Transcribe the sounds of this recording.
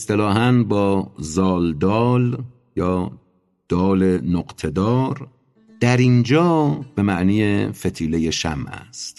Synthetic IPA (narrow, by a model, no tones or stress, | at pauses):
est̪elɒːɦænbɒːzɒːld̪ɒːl | jɒː | d̪̥ɒːlenoɡt̪ʰe̞d̪ɒːɾ | d̪̥æɾind͡ʒɒːb̥e̞mæʔniːjefet̪ʰiːle̞je̞ʃæ̰mʔæ̰st̪